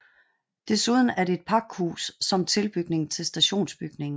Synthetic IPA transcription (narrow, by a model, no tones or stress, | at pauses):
d̥e̝suð̞ˠn̩æɐde̝ːd̥̚pʰɑ̈ɡ̥hṵːsːɒ̽mt͡sʰe̝lb̥yɡ̥ne̝ŋ̩t͡sʰe̝lsd̥æɕo̝̰ːnsb̥yɡ̥ne̝ŋn̩